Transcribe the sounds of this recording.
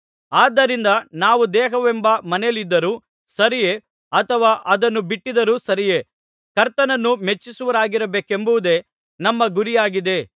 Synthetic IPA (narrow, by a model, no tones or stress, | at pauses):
aːd̪ːɐɾind̪ɐnaːʋud̪ɛːɦɐʋembɐmɐnelid̪ːɐɾuː | sɐɾije | ɐt̪ʰɐʋaːʔɐd̪ɐnːubiʈːid̪ɐɾuːsɐɾije̞ | kɐɾt̪ɐnɐnːumet͡ʃːisuʋɐɾaːɡiɾɐbeːkembuʋud̪e̞ | nɐmːɐɡuɾijaːɡid̪e